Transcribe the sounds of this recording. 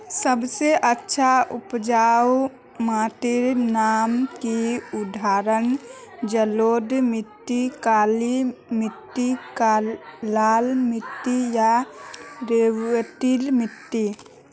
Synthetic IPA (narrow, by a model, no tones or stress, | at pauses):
səbseʔətːʃʰaʊpd͡ʒaw | mat̪iɾnaːmkiʊd̪ʱaɾən | d͡ʒəloːd̪mɪt̪ːikaːlimɪt̪ːikalalmɪt̪ːija | ɾeʋət̪ilmɪt̪ːi